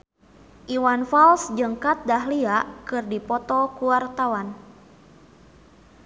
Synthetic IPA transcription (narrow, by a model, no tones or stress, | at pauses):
ʔiwanfalsd͡ʒɨŋkat̪̚daɦliakɨrdipɔt̪ɔkuart̪awan